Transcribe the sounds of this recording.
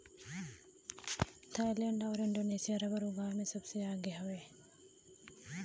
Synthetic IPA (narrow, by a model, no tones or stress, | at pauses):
t̪ʰajljəɳɖawɾɪɳɖoːneːsijaɾabəɾuɡʱaːmẽsəbseaːɡeɦɐʋe